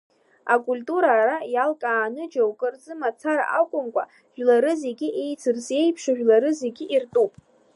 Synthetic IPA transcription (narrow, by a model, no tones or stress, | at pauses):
akʼulʲtʼuɾaːrajalkʼaːnɨd͡ʒawkʼɨrd͡zɨmat͡sʰaɾa̰ʔakʷʼʊmkʷʼa̰ | ʒ̥ᶣlaɾɨze̞ɡʲɪʔe̞jt͡sʰɨrsje̞jpʰʂaʒᶣlaɾɨzeɡʲɪʔirtʼupʼ